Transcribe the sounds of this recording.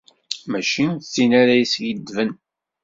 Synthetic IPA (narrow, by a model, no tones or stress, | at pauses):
mæʃit͡sːinaɾæjsjəd̪ːvən